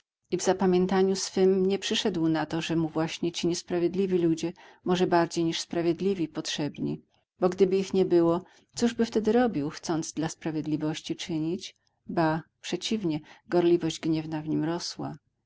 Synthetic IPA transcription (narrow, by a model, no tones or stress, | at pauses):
ivzapamʲjɛnt̪aɲusfɘmɲɛpʂɘʂɛd̪wnat̪ɔʐɛmuvwaɕɲɛt͡ɕiɲɛspɾavʲjed̪lʲivʲilud͡ʑɛmɔʐɛbaɾd͡ʑejɲiʂspɾavʲjɛd̪lʲivʲipɔtʂɛbɲḭ | bɔɡd̪ɘbɘixɲɛbɘwɔ | t̪suʐbɘft̪ɛd̪ɘɾɔbʲiwxt̪sɔnd̪zd̪laspɾavʲjɛd̪lʲivɔɕt͡ɕit͡ʂɘɲit͡ɕ | bapʂɛt͡ɕivɲɛɡɔɾlʲivɔʑd͡ʑɡɲɛvnavɲimɾɔswa̰